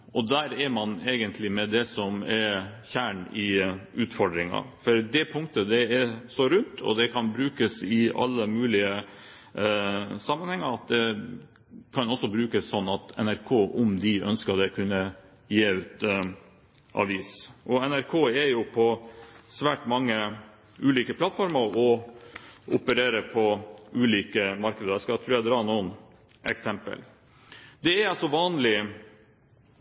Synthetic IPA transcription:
ʔɔd̪æːɾɛɾmɑneːɡənt̪ʰlɪmɛd̪ɛsɔmɛɾçæːɳɪʉːt̪fɔɖɾɪŋɑ̰fɔɾd̪ɛpʰʊŋkt̪əd̪ɛɛɾsɔɾʉnt̪ʰɔ̰d̪ɛkʰɑnbɾʉːkəsɪɑ̰lːəmʉːlɪə | sɑmːənhɛŋːəɾɑt̪̚d̪ɛ | kʰɑnɔsɔbɾʉːkəsːɔnːɑt̪ɛ̰næɾkʰoːʔɔmd̪ɪʔœnskɑd̪ɛkʰʉnːə | jeːʉːt̪ | ʔɑ̰ʋiːsʔɔɛnæɾkʰoːɛjʊpʰɔsʋæːʈmɑŋːə | ʉːliːkəpʰlɑt̪fɔɾməɾɔ | ʔʊ̰pəɾeːɾəpʰɔʉːliːkəmɑɾkəd̪əskɑt̪ʰɾuːɾjæɪd̪ɾɑːnuːən | ʔɛ̰ksɛmpə̰l | d̪ɛæɑsɔʋɑːnlɪ

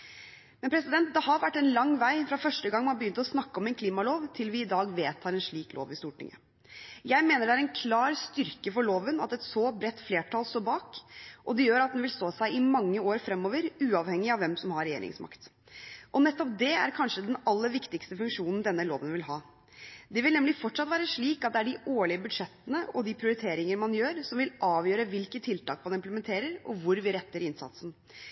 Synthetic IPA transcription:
mɛnpʰɾɛsɪd̪ɛnt̪̚d̪ɛhɑɾʋæʈːɛnlɑŋːʋæɪfɾɑfœʂʈəɡɑŋːmɑnbəjʏnt̪əɔsnɑkːəɔmɛnkʰliːmɑloːʋt̪ʰɪlʋɪɪd̪ɑːɡʋeːt̪ʰːɑːɾɛnʂɭiːklo̰ːʋɪst̪uːʈʰɪ̰ŋːə̰ | jæɪmeːnəɖæɾɛnkʰlɑːɾst̪ʏɾkəfɔɭoːʋənɑ̰t̪ɛt̪sɔbɾɛt̪ːfleːʈʰɑːlst̪oːbɑːkʔɔd̪ɛjøːɾɑt̪̚d̪ɛnʋɪlst̪oːsæɪʔɪmɑŋːəoːɾfɾɛmːɔːʋəɾʉːɑːʋhɛŋːɪɑʋɛmsɔmhɑɾɛjḛːɾɪ̰ŋsmʔɑ̰kt̪ | ʔɔnɛt̪ːɔp̚d̪ɛæ̰ɾkʰɑnʂəd̪ɛnɑlːəɾʋɪkt̪ɪkst̪əfʉŋkʂuːnn̩d̪ɛnːəlo̰ːʋənʋɪlɦɑː | d̪ɛʋɪlnɛmlɪfɔʈːʂɑt̪ʋæːɾəʂɭiːkɑt̪̚d̪ɛæɖɪʔoːɭɪəbʉd̪ʂɛt̪ːənəʔɔd̪ɪpʰɾɪʊɾɪt̪ʰeːɾɪŋəɾmɑnjøːɾsɔmʋɪlʔɑːʋjøːɾəʋɪlkət̪ʰːɪlt̪ʰɑːkmɑnɪmpləmɛnt̪ʰeːɾəɾɔ̰ʋʊɾʋɪɾɛt̪ːəɾɪnsɑ̰t̪sn̩

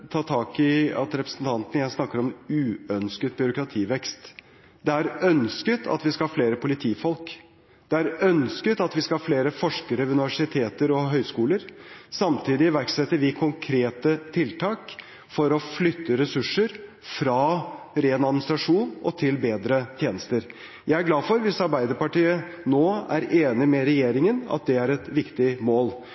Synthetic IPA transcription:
t̪ʰɑːt̪ʰɑːkɪɑ̰t̪ɾɛpɾəsn̩t̪ʰɑnt̪ənəjæsnɑkːəɾɔmʉːœnskət̪̚bʏɾʊkɾɑt̪ʰiːʋɛkst̪ | d̪ɛæɾœnskət̪ʰɑ̰t̪ʋɪskɑhɑfleːɾəpʊlɪt̪ʰiːfɔlk | d̪̥ɛæɾœnskət̪ɑt̪ʋɪskɑhɑfleːɾəfɔʂkəɾəʋʉnɪʋæʂɪt̪ʰeːt̪əɾɔɦœʏskuːləɾsɑmt̪ʰiːd̪ɪʋæɾksɛt̪ːəɾʋɪkʰʊŋkʰɾeːt̪ət̪ʰɪlt̪ʰɑːk | fɔɾɔflʏt̪ːəɾɛsʉʂəɾ | fɾɑː | ɾeːnɑd̪mɪnɪst̪ɾɑʂuːnʔɔt̪ʰɪlbeːd̪ɾət̪ʰjeːnəst̪əɾ | jæɪæɾɡlɑːfɔɾʋɪsɑɾbæɪd̪əɾpɑʈiːənoːæ̰ɾeːnɪmɛɾɛjeːɾɪŋənɑ̰t̪̚d̪ɛæɾɛt̪ʋɪkt̪ɪmoːl

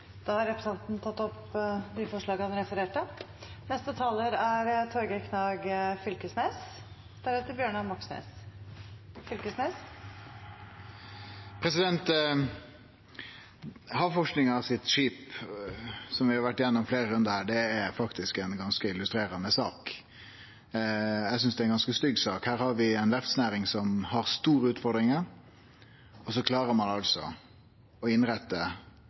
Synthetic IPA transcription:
d̪̥ɑːhɑɾɛpɾəsɑnt̪nt̪ʰɑt̪ːɔp | d̪ɪfɔʂɭɑːɡəhɑnɾɛfəɾeːʈə | nɛst̪ət̪ʰɑːləɾæɾt̪ʰɔɾɡəkʰnɑːɡfʏlkəsneːs | d̪̥æɾʉːt̪əɾbjøːɳɑmɑksnḛːs | fʏlkəsneːs | pʰɾɛsɪd̪ɛnt̪ | hɑʋfɔʂknɪŋɑsɪt̪ʂiːp | sɔmʋɪhɑɾʋæʈːɪjɛnːɔmfleːɾəɾʉnd̪əɾhæːɖɛæɾfɑkt̪ɪskɛnɡɑnskəɪlʉst̪ɾeːɾɑnəsɑːk | jæɪsʏnsd̪ɛæɛnɡɑnskəst̪ʏɡsɑːkhæːɾhɑɾʋɪɛnʋæɾft̪snæːɾɪŋsɔmhɑɾst̪uːɾəʉːt̪fɔɾd̪ɾɪŋəɾ | ɔsɔkʰlɑːɾəɾmɑnɑlsɔ̰ | ɔɪnɾæt̪ːə

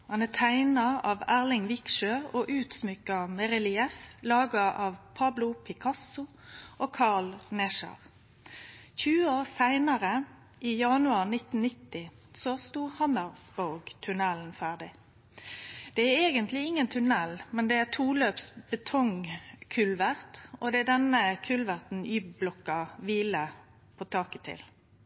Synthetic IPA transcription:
hɑnæt̪ʰæɪnɑɑʋæʁlɪŋʋɪkʃøːoːʔʉːt̪smʏkɑmɛʁɪlɪɛflɑːɡɑʔɑʋpʰɑblʊpʰɪkʰɑsʊʔoːkʰɑʁlnɛʃɑ̰ʁ | çʉːəoːʁsæɪnəʁə | ʔiːjɑnʉɑːʁnɪt̪n̩nɪt̪ːɪ | sɔst̪uːhɑməʁsbɔːɡt̪ʰʉnɛln̩fæːʁɖɪ | d̪̥ɛæeːɡənt̪lɪɪŋːənt̪ʰʉnɛlmɛnd̪ɛæt̪ʰuːløːpsbət̪ʰɔŋkʰʉlʋæʁt̪ɔd̪ɛæɖ̪ɛnəkʰʉlʋæʁt̪n̩yːbblɔkɑʋiːlə | pʰɔt̪ʰɑːkət̪ʰɪ̰l

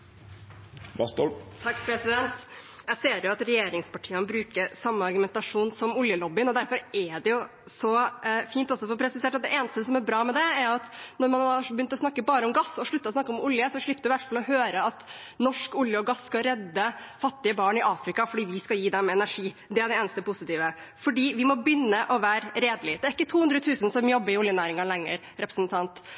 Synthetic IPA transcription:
t̪t̪ʰɑkːpʰɾɛsɪd̪ɛnt̪ | jæɪseːɾjʊɑt̪ɾɛjeːɾɪŋspɑʈʰiːənəbɾʉːkəɾsɑmːəɑɾɡʉmɛnt̪ɑʂuːnsɔmʊljəlɔbɪnɔd̪æɾfɔɾɛɖɛjʊ | sɔfiːnt̪ɔsːɔfɔɾpʰɾɛsɪseːʈɑt̪̚d̪ɛʔeːnəst̪əəsɔmæɾbɾɑːmɛd̪ɛæɾjʊɑt̪nɔɾmɑnɑbəjʏnt̪ɔsnɑkːəbɑːɾəɔmɡɑsːɔʂɭʉt̪ːəɔsnɑkːəɔmʊljəsɔʂɭɪpːəd̪ʉʋæʈːfɑlɔɦøːɾəɑt̪ | nɔʂkʊljəɔɡɑsːkɑɾɛd̪ːəfɑt̪ːɪəbɑːɳɪʔɑːfɾɪkɑfɔɖiːʋɪskɑjiːd̪ɛmɛɛnæɾʂiː | d̪ɛæɖɛeːnəst̪əpʊsɪt̪iːʋə | fɔɖiːʋɪmɔbʏnːəʔɔʋæːɾɾeːd̪lɪd̪ɛæɾɪkːət̪ʰuːʉnd̪ɾət̪ʰʉːsənsɔmjɔbːəɾɪʊljənæːɾɪŋɑlɛŋːə̰ɾ | ɾɛpɾəsnt̪ʰɑnt̪

